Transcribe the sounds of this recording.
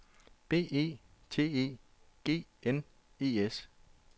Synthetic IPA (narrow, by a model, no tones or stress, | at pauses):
b̥e̝̰ːe̝̰ːt͡sʰe̝̰ːe̝̰ː | ɡ̥e̝̰ːen | e̝̰ːes